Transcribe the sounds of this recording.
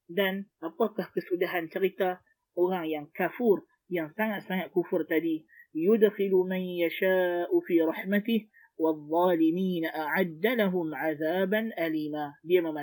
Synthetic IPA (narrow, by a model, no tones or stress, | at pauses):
d̪anʔab̚qɑkːahkəsud̪aɦant̪aɣit̪a | ʔʊɣaŋjaŋkafuːɾ | jaŋsaŋaʔsaŋaʔkufʊɾt̪ad̪ijʊd̪xɪlumanjaʃaːʔfiːɾˤɑħmat̪ɪh | wɑðˤːɑːlɪmiːnaʔaʕad̪ːalaɦʊmʕaðaːbanʔaliːmaːdijemama